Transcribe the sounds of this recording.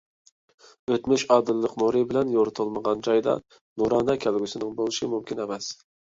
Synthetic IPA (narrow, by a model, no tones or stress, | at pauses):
øt̪myʃɑːd̪ɨlːəqmoɾɨbɪlɛnjoɾʊt̪ʰɨlˠməʁɑnd͡ʒɑjd̪ɑ̰ | nuɾɑːnɑkʲʰælɡʲysɪnɪŋbolˠɨʃɪmumkʲʰinɛmɛs